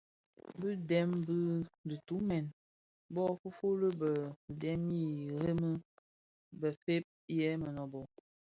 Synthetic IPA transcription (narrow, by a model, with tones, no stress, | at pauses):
bɨ˦dɛ˦mbɨ˦di˨tu˨˦mɛ˨n | bɔ˦fu˦fo˦lə˦bə˨dɛ˦mi˦˨ɾe˦mə˦ | bə˨fe˦p̚jɛ˦mə˨nɔ˨bɔ˨